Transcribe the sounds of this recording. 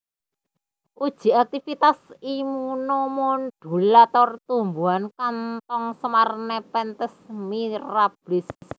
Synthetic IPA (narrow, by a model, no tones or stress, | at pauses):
ʔud̥ʒ̥i̤ak̚t̪ifit̪asimunɔmɔnɖ̥ṳlat̪ɔrt̪umbuankant̪ɔŋsəmarnɛpɛnt̪əsmirɾab̥lɪs